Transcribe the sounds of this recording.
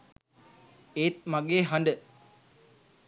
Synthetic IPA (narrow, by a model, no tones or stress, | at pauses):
eːt̪̚maɡeːɦaɳɖə